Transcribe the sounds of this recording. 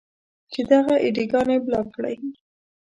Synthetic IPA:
t͡ʃed̪aɣaʔiɖiɡɑneblɑkɽa̰j

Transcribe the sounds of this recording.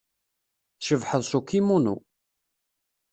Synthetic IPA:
θʃəvħəðˤsukimunṵ

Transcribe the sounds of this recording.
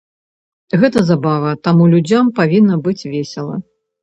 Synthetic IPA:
ɣɛt̪ɐzabavɐt̪amulʲud͡zʲampavʲinːɐbɨt͡sʲvʲesʲɛlˠɐ̰

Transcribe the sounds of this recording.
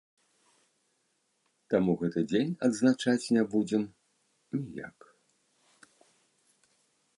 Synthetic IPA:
t̪amuɣɛt̪ɨd͡zʲenʲɐd̪znat͡ʂat͡sʲnʲɛbud͡zʲɛm | ija̰k

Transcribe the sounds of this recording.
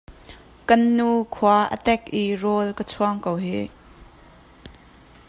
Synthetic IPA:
kɐnːukʰuaʔə̰t̪ɛkʔirɔlkət͡sʰuaŋkowɦiː

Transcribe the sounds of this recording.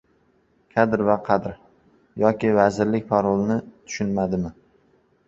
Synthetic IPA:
kʲʰad̪ɪɾvaqʰɑd̪ɪɾ | jɒkʲɪvazɪɾlɪkʲfaɾɒlˠɪnɪt̪ʰʊ̥ʃʊnmad̪ɪmɪ

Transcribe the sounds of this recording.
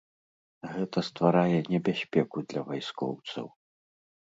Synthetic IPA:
ɣɛt̪ɐst̪vaɾajɛnʲɛbʲasʲpʲɛkud̪lʲɐvajskɔ̰wt̪sɐ̰w

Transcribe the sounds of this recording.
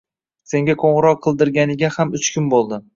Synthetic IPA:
se̞ŋɡʲakʰoɴʁɨɾɒqʰːɨlˠd̪ɪɾɡʲanɪɡʲahamʊt͡ʃkʰʊnbolˠd̪ɪ

